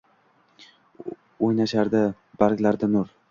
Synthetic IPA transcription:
ojnaʃaɾd̪a | b̥aɾkʲlaɾd̪anʊɾ

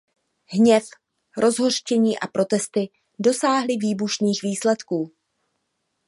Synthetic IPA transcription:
ɦɲɛf | ɾʔo̞zɦo̞r̥t͡ʃɛɲiːʔa̰pɾo̞t̪ɛst̪ɪ | do̞saːɦlɪviːbuʃniːxviːslɛt̪kuː

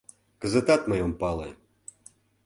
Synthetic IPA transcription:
kəzə̆t̪at̪mɤjompɑlˠḛ

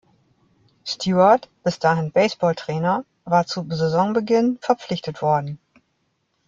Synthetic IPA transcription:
stʰjuːɐtb̥ɪsd̥aːɦɪnbɛɪsb̥ɔːltʁ̥ɛːnɐ | vaːɐt͡suzɛzɔŋbəɡɪnfɛɐp͡flɪçtətv̥ɔɐdn̩

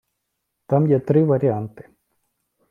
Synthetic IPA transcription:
t̪ɐmjet̪ːriʋɐɾeaːnt̪e̥

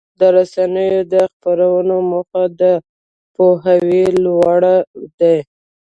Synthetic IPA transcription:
d̪əɾasanəjod̪əxpaɾawənoməxad̪ə | poɦawilwɑɽad̪aj

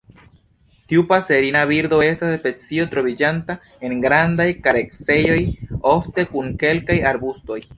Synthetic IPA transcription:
tiupase̞ɾinabiɾd̪o̞e̞staspe̞t͡sio̞tɾo̞vid͡ʒanta | e̞nɡɾandajkaɾekse̞jo̞jo̞fte̞kuŋke̞lkajaɾbusto̞j

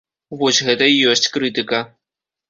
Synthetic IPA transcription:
vɔsʲɣɛt̪ɐijɔsʲt͡sʲkɾɨt̪ɨkɐ

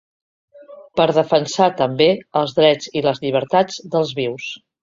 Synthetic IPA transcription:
pəɾðəfənsat̪əmbeəlˠzðɾɛd͡ziləzʎiβ̞əɾt̪ad͡zd̪əlˠzβiws

